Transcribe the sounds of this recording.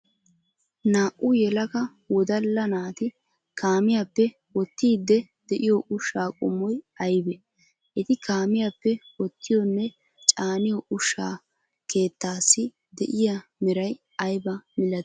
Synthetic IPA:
naːʔʊjɛlɐkɐ | wɔd̪ɐlːɐnaːt̪ɪ | kaːmɪjapːɛ | wɔt̪ːiːd̪ːɛ | d̪̥ɛʔɪjɔʔʊʃːaːkʼʊ̰mːɔj | ɐjbɛ | ʔɛt̪ɪkaːmɪjapːɛwɔt̪ːɪjɔnːɛ | t͡ʃʼaːnɪjɔʔʊʃːaː | ke̞ːt̪ːaːsːɪ | d̪ɛʔɪjamɛɾɐj | ɐjbɐmɪlɐ

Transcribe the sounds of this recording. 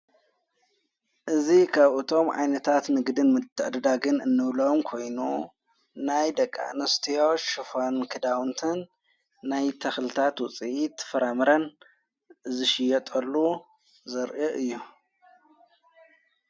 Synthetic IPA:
ʔɨzikʰaβʔɨt̪ʰo̞mʕa̰jnɐt̪ʰat̪nɨɡd̪ɨnmɨt̪ʰːɨʔd̪ɐd̪aɡɨnɨnːɨβlɐmkʰo̞jnu | najd̪ɐkʼːa̰nɐst̪ʰijoʃufankʰɨd̪awnt̪ʰɨnː | ajt̪ʰɐxlɨt̪ʰat̪wʊt͡sʼiʔit̪ʰːfɐɾamɨɾɐn | zɨʃɪjɛt̪ʼɐlːu | zɐɾʔɨʔɨjːu

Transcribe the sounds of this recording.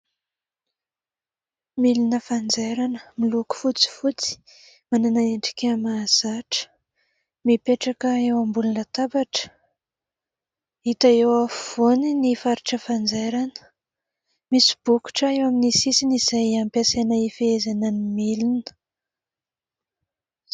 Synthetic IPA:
milinəfand͡zeɾanəmiluku̥fut͡si̥fut͡si̥ | mananaeɳɖ͡ʐi̥kʲamaz̥aʈ͡ʂə̥ | mipeʈ͡ʂakəewambulunət̪abaʈ͡ʂə̥ | it̪aewav̥oninifaɾiʈ͡ʂəfand͡zeɾanə̥ | misi̥b̥uku̥ʈ͡ʂəewaminisisinizajampjasenaifeezanənimilinə̥

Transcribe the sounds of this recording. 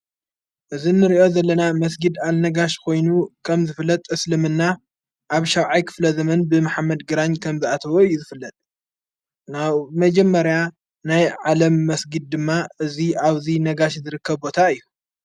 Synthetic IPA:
ʔɨzinːɨɾiʔo̞zɐlːɐnamɐs̬ɡɨd̪alnɐɡaʃkʰo̞jnukʰɐmzɨfɨlːɐt̪ʼɨslɨmɨnːa | ʔaβʃɐwʕajkʰɨ̥flɐzɐmɐnbɨmaħamːɐd̪ɡɨɾaɲkʰɐmziʔat̪ʰɐwojːuzɨfɨlːɐt̪ʼ | naβmɐd͡ʒɛmːɐɾja | najʕalɐmːɐsɡɨd̪̚ːɨmːaʔɨziaβzinɐɡaʃzɨɾɨkʰːɐβbo̞t̪ʰaɨjːu

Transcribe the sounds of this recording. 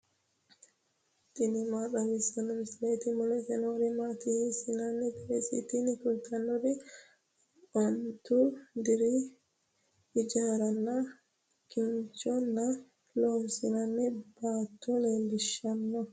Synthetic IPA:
t̪ʼɪnɪmaːɗɐɡɪsɐnːɔmɪsleːt̪ɪmɔlɛt̪ɛnoːɾɪmaːt̪ɪhisɪnɐnːɛbɛɾɛsɪ̰t̪ɪnɪkʊlt̪ːɐnːɔdɪ | ɔnt̪ud̪ɪɾɪ | ɪd͡ʒaːɾɐnːɐ | kɪnt͡ʃɔnːɐ | loːnsɪnɐnːɛbaːt̪ːunebɪʃːɐnːɔ

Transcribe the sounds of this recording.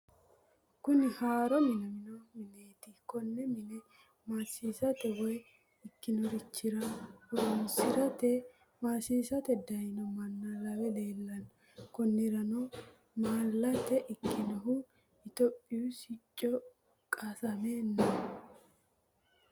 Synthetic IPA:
kʊnɪhaːɾɔmɪnɐmɪnɔmɪneːt̪ɪkɔnːɛmɪnɛ | maːsiːsɐt̪ɛwɔj | ɪkːɪnɔɾɪt͡ʃːɪɾɐwɔɾɔnsɪɾɐt̪ɛ | maːsiːsɐt̪ɛd̪ɐjnɔmɐnːɐlɐwɛle̞ːlːɐn | kɔnːɪɾɐnɔ | maːlːɐt̪ːɛʔɪkːɪnɔɦʊ | ɪt̪ɔpʼːɪjusɪt͡ʃʼːɔ | kʼɐsɐme̞ːnːɐ

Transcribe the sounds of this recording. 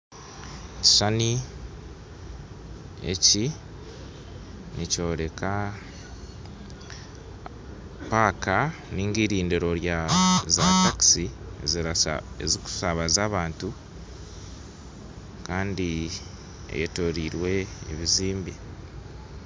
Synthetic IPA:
ci̥sani | e̞̰ci | nico̞ːɾe̞kʰa | paːkaniːŋɡiɾiːndeɾo̞ɾjazataksi | eziku̥saβazaːβaːntu | kaːndi | ḛjeto̞ɾiɾwe̞ḛβiziːmbi

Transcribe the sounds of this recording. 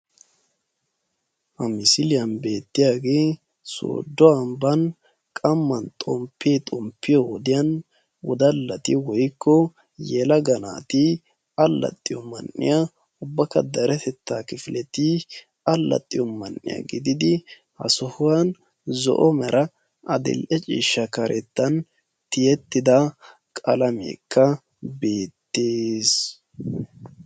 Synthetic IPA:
hɐmɪsɪlɪjɐnbe̞ːt̪ːɪjaːɡeː | so̰ːd̪ːɔɐmbɐn | kʼɐmːɐnt̪ʼɔmpʰːeːt̪ʼɔmpːɪjɔwɔd̪ɪjɐn | wɔd̪ɐlːɐt̪ɪwɔjkːɔ | jɛlɐɡɐna̰ːt̪i | ɐlːɐ̰t̪ʼːɪjɔmɐnːɪ̰ja | ʊbːɐkɐd̪ɐɾɛt̪ʰɛt̪ːaːkɪfɪlɛt̪i | ɐlːɐ̰t̪ʼːɪjɔmɐnːɪ̰jɐ̰ɡɪd̪ɪd̪ɪ | hɐ̰sʊhʊwɐn | zɔ̰ʔɔmɛɾʔɐ | ɐd̪ɪ̰lʔɛt͡ʃʼḭːʃːɐkɐɾʔɛt̪ːɐn | t̪ɪjɛt̪ːɪd̪ɐ | kʼɐlɐmḛːkʰːɐ | be̞ːt̪ːeːs

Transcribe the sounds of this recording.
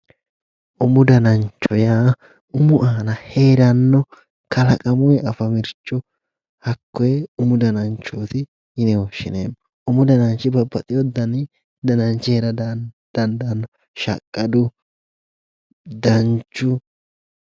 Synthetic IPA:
ʔʊmʊd̪ɐnɐnt͡ʃːɔjaː | ʊmʊʔaːnɐhe̞ːɾɐnːɔ | kɐlɐkʼɐmʊjɛʔɐfɐmɪɾt͡ʃːɔ | hɐkːɔjʊmʊd̪ɐnɐnt͡ʃːoːt̪ɪ | ɪnɛwɔʃːɪ̰nḛːmːɔ | ʊmʊd̪ɐnɐnt͡ʃːɪbɐbːɐt̪ʼɪjɔd̪ɐnɪ | d̪ɐnɐnt͡ʃːɪhɛɾɐd | d̪̥ɐnd̪ɐnːɔ | ʃɐ̰kʼːɐd̪ʊ | d̪ɐnt͡ʃːʊ

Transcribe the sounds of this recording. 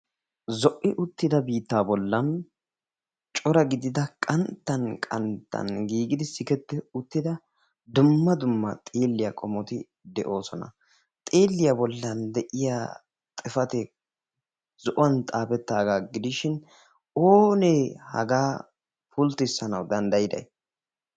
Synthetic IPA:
zɔʔːɪʔʊt̪ːɪd̪ɐbiːt̪ːaːbɔlːɐn | t͡ʃʼɔɾɐɡɪd̪ɪd̪ɐkʼɐnt̪ːɐnkʼɐ̰nt̪ːɐ̰nɡiːɡɪd̪ɪsɪkɛt̪ːɛʊt̪ːɪd̪ɐ | d̪ʊmːɐd̪ʊmːɐ̰t̪ʼeːlːɪjɐkʼɔmɔt̪ɪ | d̪ɛʔo̞ːsɔnɐ̰ | t̪ʼeːlːɪjabɔlːɐnd̪ɛʔɪja | t̪ʼɪfɐt̪ɛ | z̥ɔʔɔwɐnt̪ʼaːpɛt̪ːaːɡaːɡɪd̪ɪʃɪn | oːneːhɐ̰ɡaː | fʊlt̪ɪsːɐnɐwd̪ɐnd̪ɐjɪd̪ɐ̰j

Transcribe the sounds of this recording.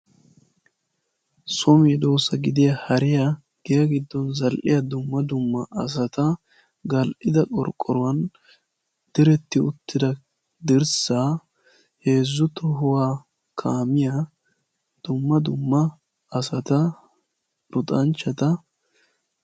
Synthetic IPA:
sɔmɛd̪o̞ːsɐɡɪd̪ɪjɐhɐɾɪjɐ | ɡ̥ɪjɐɡɪd̪ːɔnzɐlʔɪjɐd̪ʊmːɐd̪ʊmːɐʔɐs̬ɐt̪ɐ | ɡɐlʔɪd̪ɐkʼɔ̰ɾkʼːɔɾʊwɐn | d̪̥ɪɾɛt̪ːɪʊt̪ːɪd̪ɐ | d̪ɪɾsaː | he̞ːzːʊt̪ɔɦʊwaː | kʰaːmɪjɐ | d̪̥ʊmːɐd̪ʊmːɐː | sɐt̪ɐ | ɾʊt̪ʼɐnt͡ʃːɐt̪ɐ

